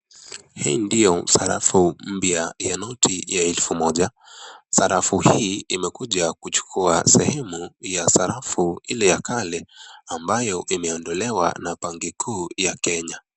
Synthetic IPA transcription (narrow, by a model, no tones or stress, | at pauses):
hḭːndijɔsaɾa̰fum̩pjajanɔtʰijaɛlfumɔʄa | saɾafuhiːimɛkuʄakut͡ʃu̥kʰuasɛhɛmujasaɾafuilɛjakʰalɛambajɔʔimɛɔndɔlɛwa̰napaŋɡikʰuːjakɛɲa